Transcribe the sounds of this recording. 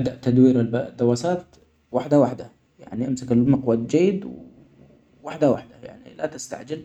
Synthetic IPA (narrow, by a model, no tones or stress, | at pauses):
d̪aʔt̪ad̪wiːɾald̪ːawaːsaːt̪ | waħd̪awaħd̪a | ja̰ʕniʔamsakalmɑqwad͡ʒajːɪd̪w | waħd̪awa̰ħd̪aja̰ʕnḭla̰t̪ɪst̪a̰ʕd͡ʒɪl